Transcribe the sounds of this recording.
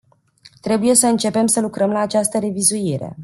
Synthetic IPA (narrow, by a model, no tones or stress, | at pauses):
t̪ɾe̞buje̞səɨnt͡ʃe̞pe̞msəlukɾəmlaːt͡ʃast̪əɾe̞vizuiɾe̞̰